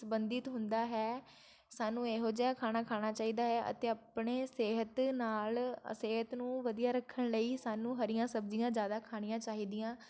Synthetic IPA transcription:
səbənd̪ɪt̪ɦʊnd̪aːɦɛː | saːnũːeːɦod͡ʒaːakʰaːɽ̃aːkʰaːɽ̃aːt͡ʃaːiːd̪aːɦɛːʔə̰t̪eːapɳeːseːɦət̪naːlseːɦət̪nũːʋəd̪ijaːɾəkʰːəɳləiːsaːnũːɦəɾɪjãːsəbd͡ʒijãːd͡ʒjaːd̪aːkʰaːɽ̃ɪjãːt͡ʃaːɦiːd̪ɪjãː

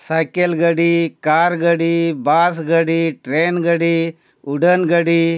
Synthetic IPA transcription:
sajkelɡɐɽikaːɾɡɐɽibaːs̬ɡɐɽiʈɾeːnɡɐɽi | uɖənɡɐɽi

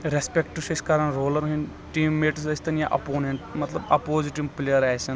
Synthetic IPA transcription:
ɾespʲekʈuʃɐskaɾanɾoːlɐɾɦin | ʈiːmːeːʈusɐsʲt̪ɐnjaʔɐ̰poːneɳʈmɐt̪lɐbɐ̰poːziʈiʋplejɐɾaːjsɐn

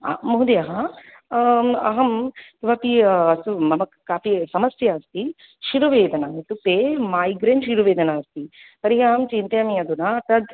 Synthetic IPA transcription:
a̰muɦud̪ejɐɦɐ | ɐ̰ɦɐmiʋɐpiɐsumɐmɐkkːaːpisɐmɐsjɐːst̪i | ʃiɾuʋeːd̪ʱɐnait̪upemaːjɡɾeɳʈʃiɾuʋeːd̪ʱɐnaɐst̪ipɐɾiɦɐɦɐmt͡ʃint̪eɐmiɐd̪unat̪ɐd̪

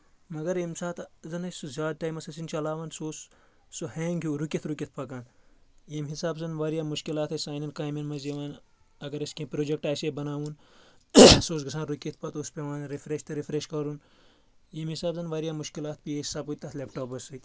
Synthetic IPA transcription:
mɐɡɐɾemsaːt̪zɐnɐsuzʲaːd̪̚ʈaːjmɐsɐsint͡ʃɐlaːʋaːnsoːs | soheːŋɡʱʲiːɾukʲit̪ʰɾukʲit̪̚ʰpɐkaːnjemɦisaːbzɐnʋaːɾjaːmuʃkilaːt̪ʰɐsaːjninkaːjminmɐziʋaːn | ɐɡɐɾɐskʲẽpɾoːd͡ʒek̚ʈaːseːbɐnaːʋuːn | soːsɡɐs̬ãːnɾukʲit̪̚ʰpɐt̪ospeʋaːnɾifɾeʃt̪ɐɾifɾeʃkɐɾun | jemhisaːbzɐnʋaːɾjaːmuʃkilaːt̪̚pijeisaːput̪ɐt̪lʲeːpʈoːpɐsɨt̪

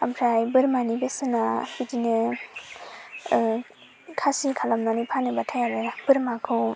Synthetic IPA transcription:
ampʰɾajbɯɾmanibesɯnabidinɯ | kʰasikʰalamnanipʰanɯbatʰajaɾɯb̥ɯɾmakʰɯw

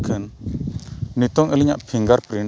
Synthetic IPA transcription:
kʰɛnː | it̪ɔŋʔɛlɛɲa̰ʔpʰiŋɡaɾpɾin

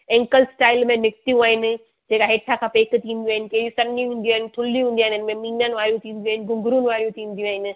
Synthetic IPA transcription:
ẽːŋkəlsʈaːɪlmẽnɪkt̪ijũaːɦɪnɪ̆ | d͡ʑeːkaɦeːʈʰakʰãpeːkʰt̪ʰĩːnd̪juaːɪnɪ̆keːjũsɐnĩɦũːn̆d̪iũaːɦɪnɪ̆ʈʰʊliũɦũːnd̪iaɦɪɪnɪmẽmiːnənɪ̆ʋaːɾijũt̪ʰĩːn̆d̪iuaːɦɪnɪ̆ɡʊ̃ŋɡʱʊɾũnɪ̆ʋaːɾjũt̪ʰĩːn̆d̪ijũaːɦɪnɪ̆

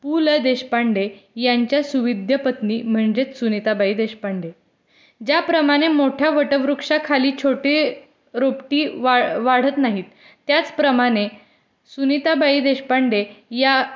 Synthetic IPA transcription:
puləd̪eɕpaɳɖejaɲt͡ɕjasuʋid̪ʱjəpət̪niːm̤əɳd͡ʑet͡ssunit̪abaid̪eɕpaɳɖe | d͡ʑjapɾəmaɽ̃emoʈʰjaʋəʈəʋɾukʂakʰaliːt͡ɕʰoʈe | ɾopʈiːʋaɽ̤ət̪naɦiːt̪ː | jat͡spɾəmaɽ̃e | sunit̪abaid̪eɕpaɳɖeja

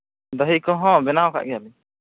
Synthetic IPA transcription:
d̪əɦikɔ̃ɦɔ̃bɛnaɔka̰ʔɡɛjabɛ

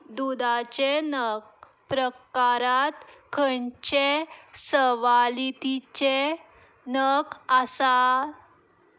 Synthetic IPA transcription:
d̪ud̪at͡ɕenək̚ | pɾəkaɾat̪kʰəɳt͡ɕesəʋalit̪it͡ɕe | nəkasa

